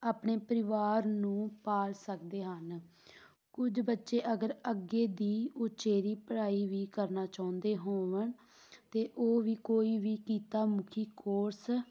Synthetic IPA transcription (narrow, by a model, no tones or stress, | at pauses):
aːpɳeːpəɾɪʋaːɾnũːpaːlsəkd̪eːɦən | kʊd͡ʒbətːʃeːʔəɡəɾəɡːeːd̪iːʊt͡ʃeːɾiːpəɽaːiːʋiːkəɾnaːt͡ʃaːʊ̃nd̪eːɦoːʋəɳ | t̪eːʔoːʋiːkoːiːʋiːkiːt̪aːmʊkʰiːkoːɾs